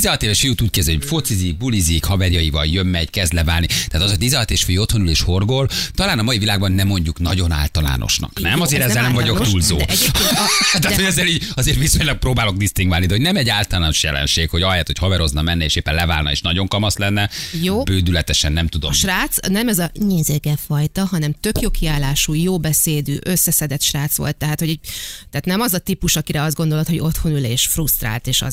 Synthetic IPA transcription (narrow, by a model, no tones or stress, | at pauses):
izɛlɒt̪eːleʃfijut̪uːc̚kɛzɛocfot̪sizik̚bulizikhɒvɛrjɒjivɒ̰ljømːɛɟkɛzd̪lɛvaːlnit̪ɛːt̪ɒzod̪izɛlːt̪eʃfyjyo̞t̪ho̞nuleːʃho̞rɡo̞lt̪ɒlaːnɒmɒivilaːɡbɒnːɛmːo̞ɲɟuknɒ̰ɟo̞na̰ːlt̪ɒla̰ːnʔo̰ʃnɒ̰knɛmɒzeːɾɛzːɛlnɛmvɒɟo̞kt̪uːlzoː | t̪aːt̪hoɟɛzːɛliːɟɒzeːrt̪ʋiso̞ɲlɒɡ̚proːbaːlo̞ɡ̚d̪ist̪iŋɡvaːlnid̪ɛho̞ɟnɛmɛɟaːlt̪ɒlɒnoʃjɛ̰lɛ̰nʃeːkhoɟɒjat̪hochɒvɛɾo̞znɒmɛnːɛḛːʃeːpːɛnlɛva̰ːlnɒ̰ḛːʃnɒɟo̞ŋkɒmɒslɛnːɛjoːbøːd̪ylɛt̪ɛʃɛnːɛmt̪ud̪omʃraːt̪snɛmɛzɒɲeːzeːɡɛfɒjt̪ɒɦɒnɛmt̪ø̞kjo̞kiaːlaːʃuːjoːbɛseːd̪y̰ːʔøsːɛsɛd̪ɛt̪ʃraːt̪sʋo̞̰lt̪ːɛɦaːt̪hoɟɛɟt̪ɛaːt̪nɛmɒzɒt̪ipuʃɒkiɾɛɒzɡo̞nd̪olot̪ho̞ɟo̞t̪ho̞nyleːʃfrust̪ra̰ːlt̪eːʃɒ̰z